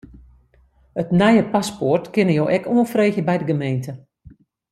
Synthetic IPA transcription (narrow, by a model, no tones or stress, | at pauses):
ətnɛjəpasportkɪnəjoːʔɛkuənfreːxjəbɛjdəɡəmejntʰə